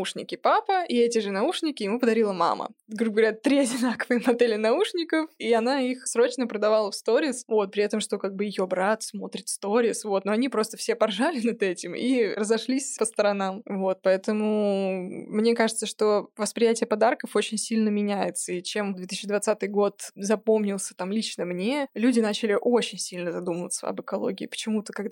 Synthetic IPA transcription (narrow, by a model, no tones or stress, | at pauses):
uʂnʲɪ̰kʲɪpapəʔiɛtʲɪʐɨnɐuʂnʲɪkʲɪjɪmupəd̪ɐɾʲilˠəma̰mʔə̰ɡɾuɡəɡvɐɾʲat̪ɾʲiɐdʲɪnakəvɨjəmɐd̪elʲɪnɐuʂnʲɪkəfiɐn̪aixsɾo̞t͡ɕnəpɾəd̪ɐvalˠəfst̪o̞ɾʲɪsvo̞t̪̚pɾʲɪɛt̪əmʂt̪o̞kaɡ̚bɨjɪjo̞bɾat̪smo̞t̪ɾʲɪt̪st̪oɾʲɪsvo̞t̪noɐnʲipɾo̞st̪əfsʲepɐrʐalʲɪnɐd̪ɛtʲɪmḭrəzɐʂlʲisʲpəst̪əɾɐnamvo̞t̪̚pɐɛt̪əmʊ | mnʲekaʐɨt̪səʂt̪o̞vəspɾʲɪjætʲɪjəpɐd̪arkəfo̞t͡ɕɪnʲsʲilʲnəmʲɪnʲæjɪt̪səit͡ɕe̞md̪vʲeisʲːt͡ɕːɪd̪vɐt̪sat̪ɨjɡo̞t̪zɐpo̞mnʲɪlˠsʲə̥t̪amlʲit͡ɕnəmnʲelʲudʲɪnat͡ɕɪlʲɪʔo̞t͡ɕɪnʲsʲilʲnəzɐd̪uməvət̪sə̰ɐ̰bɨkɐlˠo̰ɡʲɪ̰ːpə̥t͡ɕɪmut̪əkɐɡ̪